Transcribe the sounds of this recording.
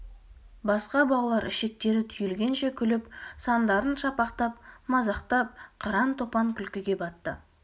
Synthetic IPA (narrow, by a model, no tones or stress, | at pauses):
bɑsqɑbɑlˠɑlˠɑɾʔɪʃe̞k̚t̪e̞ɾɪt̪ʰʏjɪlɡʲe̞nʃe̞kʲʰʏlɪpsɑnd̪ɑɾənʃɑpɑqt̪ɑp̚mɑzɑqt̪ɑp̚qʰɑɾɑnt̪ʰo̞pɑŋkʲʰʏlkʲɪɡʲe̞bɑt̪ːə̰